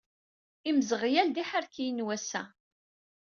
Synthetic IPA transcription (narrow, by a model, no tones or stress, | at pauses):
iməzəʁjæld̪iħəɾkijənwæsæ̰